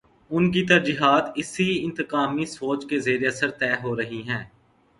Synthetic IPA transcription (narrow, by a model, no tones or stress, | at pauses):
ʊnkit̪ɐɾd͡ʒiːɦaːt̪ɪsiɪ̃nt̪əkaːmisoːt͡ʃkezeːɾeɐsəɾt̪ɛːɦoːɾɐɦiɦɛ̃ː